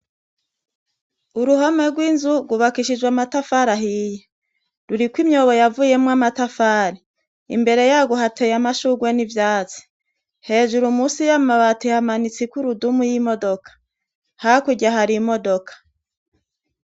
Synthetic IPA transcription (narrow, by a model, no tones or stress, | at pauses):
uɾuɦameɡwiːnzuɡuβakiʃid͡ʒwamatafaɾaɦiːje | ɾuɾikwimɲo̞βo̞javuje̞mŋamatafaːɾi | ḭmbe̞ɾe̞jaːɡoɦatejamaʃuɡwe̞nivjaːt͡si̥ | he̞ːʒuɾumusijamaβatihamanit͡sikuɾudumujimo̞do̞kḁ | hakuɟaɦaɾimo̞do̞kḁ